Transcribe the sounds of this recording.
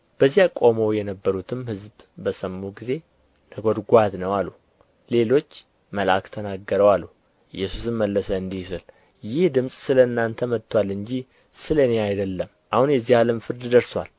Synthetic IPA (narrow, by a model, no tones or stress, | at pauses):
b̥əzːijakʼo̞mowjɛnəbːəɾut̪ʰɨmhɨzb | bəsəmːuɡize̞ | nəɡo̞d̪ɡʷat̪nəwalu | le̞lo̞t͡ʃː | məlakt̪ʰənaɡːəɾəwalːu | ɨ̰jːɛsusɨmməlːəsəɨnd̪ihsɨl | jɪhd̪ɨmsʼsɨləɨnːant̪ʰəmət̪ʰːwalːɨɲd͡ʒi | sɨləneajd̪əlːəm | ʔahunjɛzːihaləmfɨɾd̪d̪əɾswa̰l